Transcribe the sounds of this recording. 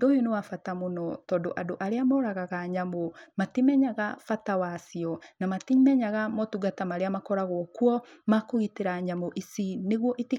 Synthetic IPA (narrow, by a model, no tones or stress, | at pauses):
dojonewafatamonɔtɔːndoʔadoʔaɾeamɔɾaɣaɣaɲamomatimɛɲaɣafatawasiɔnamatimɛɲaɣamɔtuɡatamaɾeamakɔɾaɣɔkwɔmakoɣiteɾaɲamoʔisineɣwɔʔeti